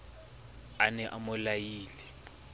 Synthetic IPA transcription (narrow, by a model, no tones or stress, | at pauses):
anɛʔamʊlajiːlɛ